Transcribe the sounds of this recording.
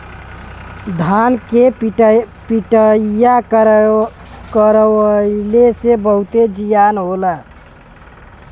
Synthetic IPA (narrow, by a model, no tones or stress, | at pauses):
d̪ʱanke | piʈəjak | kəɾəilesebəɦut̪ed͡ʒijanɦolə